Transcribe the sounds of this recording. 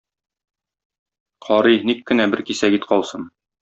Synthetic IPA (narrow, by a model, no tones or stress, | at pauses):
qɒɾɤjnikːɘ̆næbɘɾkisæɡit̪qɒlˠsɤn